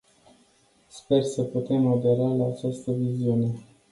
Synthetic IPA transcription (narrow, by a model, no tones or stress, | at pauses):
spe̞rsəput̪e̞mod̪e̞ɾalaːt͡ʃast̪əviziune̞